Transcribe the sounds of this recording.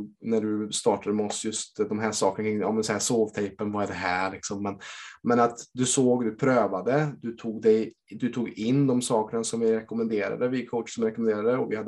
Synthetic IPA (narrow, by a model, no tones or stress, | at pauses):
næɖɵst̪ɑːʈad̪əmɔsjɵst̪d̪ɔmɦæːʂɑːkənakʰɾɪŋːɑ̰ːmɛnsɔhæːʂoːvt̪ʰɛjpənvaæɖɛɦæːɾɭɪksɔmːɛnmɛnat̪d̪ɵsoːɡd̪ɵpʰɾøːvad̪əd̪ɵt̪ʰuːɡd̪ɛj | d̪ɵt̪ʰuːɡɪnːd̪ɔmsɑːkəɳasɔmvɪɾɛkɔmənd̪eːɾa̰d̪əvɪkʰoʊt̪sɔmvɪɾɛkɔmɛnd̪eːɾad̪əɔvɪhad̪ə